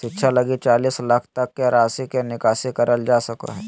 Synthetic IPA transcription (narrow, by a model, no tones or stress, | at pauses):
ʃɪtːʃʰalɐɡit͡ʃaːliːslɐkʰt̪ɐkːeɾaːsikenɪkaːsikɐɾəld͡ʒaːsɐko̰ɦɛː